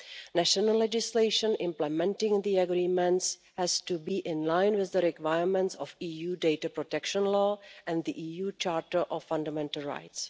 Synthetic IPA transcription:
næʃɔnəlɛd͡ʒɪsleɪʃə̃nʔɪ̃mplɛmɛ̃ntɪ̃ŋðiaɡɾiːmɛ̃ntshɛstubiːʔɪ̃nlãjnwɪððəɾɛkwajəɹmɛ̃ntsɔfiːjuːdejtapɾotɛkʃə̃nlɔːʔɛ̃ndd̪iʔiːjuːt͡ʃaːɾtəʔɔfːãndamɛ̃ntəl̩ɹa̰jts

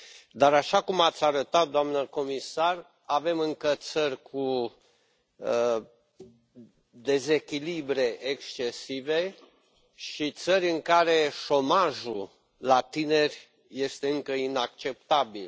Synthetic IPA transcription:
d̪aɾaʃakumat̪sʲaɾət̪at̪̚d̪oamnəko̞misar | ave̞mɨŋkət̪sərʲkʰu | ə | d̪e̞ze̞kʲilibɾe̞ʔekst͡ʃe̞sive̞ | ʃit̪səɾʲɨŋkaɾe̞ʃo̞maʒu | lat̪ine̞rʲ | je̞st̪e̞ɨŋkəinakt͡ʃe̞pt̪abil

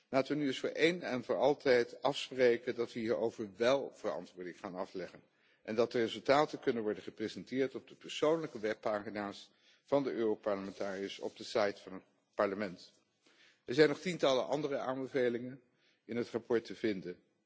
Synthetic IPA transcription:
laːtəʋənyɪsfʊːɹʔejnɛnvʊːɹɑlˠtʰɛjtɑfsprejkədɑtʋəɦiːɹowvəɹʋɛlˠv̥ərɑ̰ntʋʊːɹdɪŋχaːnɑflɛχən | ʔɛndɑt̚dərezɵlˠtaːtəkɵnənʋɔɹdəχəprezɛntɪːɹtɔb̚dəpəɹsownləkəʋɛpːaːχinaːɹs | fɑndəʔøːropɑɹləmɛntaːriəsɔ̰b̚dəsɑjtfɑnɦət̚ | pɑɹləmɛnt | ɛɹzɛjnɔχtintɑləʔɑ̰ndərəaːmbəvejlɪŋən | ɪnɦətrɑpɔɹtəvɪndən

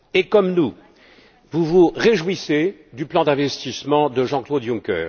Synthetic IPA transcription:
ekɔmnu | vuvuʁeʒwised̪yplɑ̃d̪ɛ̃vɛst̪ismɑ̃d̪əʒɑ̃klod̪jũkœ̰ːʁ

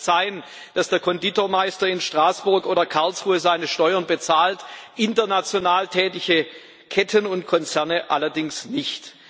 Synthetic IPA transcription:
saɪən | d̥asd̥eːɐkʰɔnditoːɐmaɪstɐɪnʃtʁ̥aːsb̥ʊɐkʔoːdɐkʰaɐlsʁuːəzaɪnəʃtɔʏɐnbət͡saːltʔɪntɐnat͡sjonaːltʰɛːtɪçə | kʰɛtʰənʊntkʰɔnt͡sɛɐnəʔa̰lɐdɪŋsnɪçt

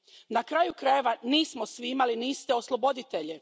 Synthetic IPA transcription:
nakɾaːjukɾajeʋaniːsmosʋiimaliniːst̪eo̞slˠo̞bo̞d̪it̪eʎe

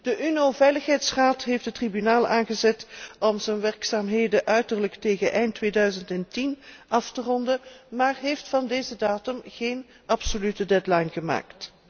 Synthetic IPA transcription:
d̥əʔynovɛjləxɦɛjtsraːtɦefdətribynaːlˠʔaːnɣəzɛtɔmzənʋɛrksaːmɦeːjdəʔœɥtərləkteːɣənʔɛjntːʋeːdœɥzəntɛntinɑftərɔndəmaːrɦejftfɑndeːzədaːtɵmɣeːn | ʔɑpsolytədɛdlajnɣəma̰ːkt

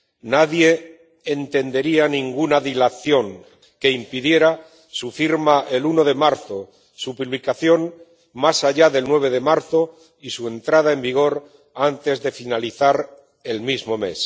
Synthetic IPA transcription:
naðje̞ː | nt̪e̞nd̪e̞ɾianĩŋɡunaðilaθjo̞ŋ | ke̞impiðje̞ɾa | sufiɾmaʔe̞luno̞ðe̞maɾθo̞ | supuβlikaθjo̞ŋ | masaʎaðe̞lnwe̞β̞e̞ðe̞maɾθo̞ | isue̞nt̪ɾað̞ae̞mbiɣ̞o̞ɾ | ant̪e̞zðe̞finaliθaɾ | e̞lmizmo̞me̞̰s

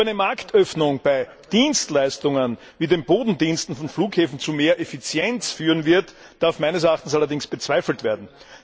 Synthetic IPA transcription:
æɪnəmaɐktʰœfnʊŋb̥æɪ | d̥iːnstlæɪstʊŋən | viːdeːnboːdn̩diːnstn̩fɔnfluːkheːfn̩t͡sumeːɐʔefɪt͡sjɛnt͡sfyːʁənvɪɐt | d̥aɐfmæɪnəs̬ɛɐaːχtn̩salɐdɪŋsb̥ət͡sv̥æɪfl̩tv̥eːɐdn̩

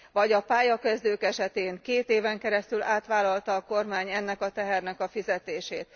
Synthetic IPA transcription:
ʋɒɟɒpaːjɒkɛzd̪øːkɛʃɛt̪eːŋkeːt̪eːvɛŋkɛɾɛst̪ylaːt̪ʋaːlːɒlt̪ɒːko̞rmaːɲɛnːɛkɒt̪ɛɦɛrnɛkɒfizɛt̪eːʃeːt̪

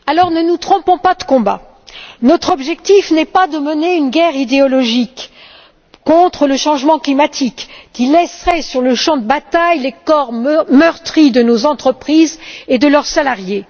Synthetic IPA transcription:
alɔʁnənut̪χɔ̃pɔ̃pad̪əkɔ̃ba̰ | nɔt̪χɔbʒɛk̚t̪ifnɛpad̪əməneynɡʲɛʁid̪eɔlɔʒikː | ɔ̃t̪χələʃɑ̃ʒmɑ̃klimat̪ʰikːʲilɛsʁɛsyʁləʃɑ̃d̪əbat̪ajlekɔʁmœʁt̪χid̪ənozɑ̃t̪χəpχized̪əlœʁsalaʁje

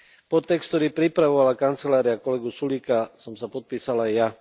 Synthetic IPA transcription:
pɔt̪ːɛkst̪t̪ɔɾiːpɾipɾaʋɔʋalakant̪t͡sɛlaːɾiakɔlɛɡusuliːkasɔmsapɔt̪̚piːsalajja

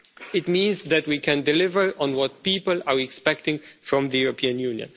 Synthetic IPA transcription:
ɪtmĩnzðætwikʰɛ̃ndɛlɪvə˞ɔ̃nwɔt̚piːpəlaɹɛkspɛk̚tɪ̃ŋfɹɔ̃mðəjuɹɔpʰiãnjũnjə̰̃n

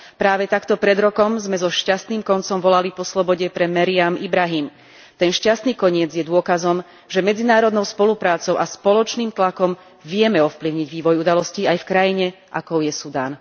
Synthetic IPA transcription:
pɾaːʋɛt̪akt̪ɔpɾɛd̪ɾɔkɔmzmɛzɔʃcast̪niːmkɔnt͡sɔmʋɔlalipɔslɔbɔɟɛpɾɛmɛɾiamibɾaɦiːm | t̪ɛnʃcast̪niːkɔɲɪɛd͡zjɛd̪ʊɔkazɔm | ʒɛmɛd͡zinaːɾɔd̪nɔʊspɔlupɾaːt͡sɔʊʔaspɔlɔt͡ʃniːmt̪lakɔm | ʋɪɛmɛɔfpliʊɲiɟʋiːʋɔjud̪alɔsciajfkɾajiɲɛ | ʔakɔʊjɛsud̪aːn

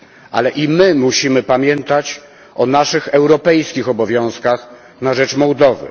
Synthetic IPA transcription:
ʔa̰lɛʔimɘmuɕimɘpamʲjɛnt̪at͡ɕ | ɔnaʂɘxɛwɾɔpɛjskʲixɔbɔvʲjɔ̃w̃skax | naʐɛt͡ʂmɔwd̪ɔvɘ̰

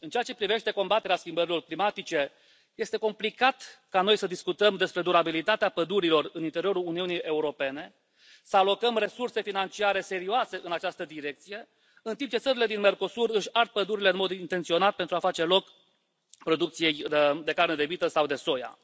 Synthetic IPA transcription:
ɨnt͡ʃeat͡ʃe̞pɾive̞ʃt̪e̞ko̞mbat̪eɾeaskʲimbəɾilo̞rklimat̪it͡ʃe̞ | je̞st̪eko̞mplikat̪kano̞jsəd̪iskut̪əmd̪e̞spɾe̞d̪uɾabilit̪at̪eapəd̪uɾilo̞rɨnint̪e̞ɾio̞ɾuluniunijʔe̞uɾo̞pe̞ne̞ | səalo̞kəmre̞surse̞finant͡ʃiaɾe̞se̞ɾioase̞ʔɨnat͡ʃast̪əd̪iɾe̞k̚t̪sije̞ | ɨnt̪impt͡ʃesəɾile̞d̪inme̞rko̞surɨʃʲart̪̚pəd̪uɾile̞ɨnmo̞d̪int̪ent̪sio̞nat̪̚pent̪ɾuafat͡ʃe̞lo̞k | pɾo̞d̪uk̚t̪sije̞jd̪e̞kaɾrned̪e̞vit̪əsawd̪e̞so̞ja̰

